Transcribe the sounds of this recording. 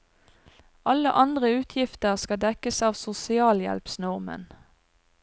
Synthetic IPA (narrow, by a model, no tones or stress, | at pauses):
ɑlə̰ʔɑnd̪ʁəʉːt̪ʰjɪft̪əʁskɑd̪ɛkəsɑːʋsʊsɪɑːljɛ̰lpsnɔʁmə̰n